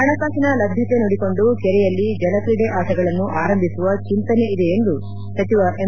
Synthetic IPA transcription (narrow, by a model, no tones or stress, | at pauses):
ɐɳɐkaːsinɐlɐbʱjɐt̪e̞noɽiko̞ɳɖukɛɾɛjɐlːid͡ʒɐlɐkɾiɽeʔaːsɐɡɐɭɐnːuʔaːɾɐmbʱisuʋɐt͡ʃint̪ɐne̞id̪e̞ːnd̪u | sɐt̪iʋɐʔe